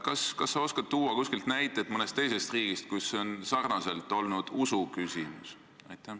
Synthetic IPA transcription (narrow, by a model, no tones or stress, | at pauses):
kɑskɑsːɑo̞skɑt̪̚t̪ːuːɑkuskilt̪næjt̪ːˑet̪ːˑmɤne̞st̪ːe̞jse̞st̪riːɡ̥ist̪̚kujsːo̞nsɑrnɑse̞lt̪ːˑo̞lnud̪̥usukysʲimus | ɑ̰jt̪ːˑæ